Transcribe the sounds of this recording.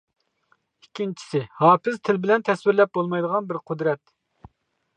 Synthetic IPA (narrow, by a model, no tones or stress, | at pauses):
ikʲʰːint͡ʃʰi̥sɪhɑːpɪzt̪ʰɪlbɪlɛnt̪ʰɛswɪɾlɛp̚bolˠmɑjd̪əʁɑnbɪɾqʰʊd̪ɾɛt̪̚